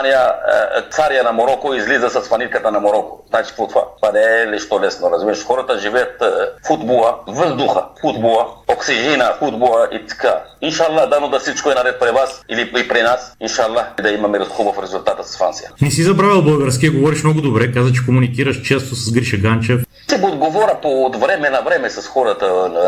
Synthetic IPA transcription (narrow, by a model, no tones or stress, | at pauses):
anija̰t̪saɾijanɐmoɾɔkoizlizɐsɐsfɐnit̪kət̪ɐnɐmoɾɔko̥̰znat͡ʃi̥pot̪va̰anɛliʃt̪olɛsnoɾɐzmiɾɐʃxɔɾɐt̪ɐʒivɛjɐt̪fud̪bolˠɐvəzd̪uxɐ̰fud̪boɐoksiʒinɐfud̪bolˠɐʔḭt̪kainʃalˠːad̪anod̪ɐfsit͡ʃkoɛnɐɾɛt̪̚pɾɛvasiliipɾinasinʃalˠːaxd̪ɐimɐmɛɾxubəfɾɛzulʲt̪at̪əsɐ̥sfansijənɛsizɐbɾavilˠbəlˠɡəɾskʲiəɡovɔɾiʃmnɔɡʊd̪obɾɛkazɐt͡ʃɛ̥komunikiɾɐʃt͡ʃɛst̪osɐsɡɾiʃɐɡant͡ʃɛf | sɛbɛod̪ɡovɔɾʲɐpod̪vɾɛmɛnɐvɾɛmɛsɐsxɔɾɐt̪ən